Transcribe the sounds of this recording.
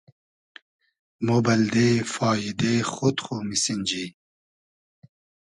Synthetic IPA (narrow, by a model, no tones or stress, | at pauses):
mobɐld̪efɑːid̪exot̪χomisinʲd͡ʑi